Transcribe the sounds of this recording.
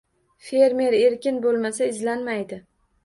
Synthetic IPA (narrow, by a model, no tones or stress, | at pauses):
fe̞ɾme̞ɾe̞ɾkʲɪnbolˠmasaɪzlanmajd̪ɪ